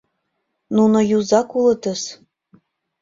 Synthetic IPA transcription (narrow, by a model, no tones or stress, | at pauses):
nunŏjuzɑkulˠɤ̆t̪ɤ̆s